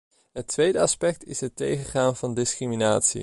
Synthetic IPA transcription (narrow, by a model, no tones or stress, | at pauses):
ɦətʋejdəɑspɛk̚tɪsɦətejχəχaːnvɑndɪskriminaːtsḭ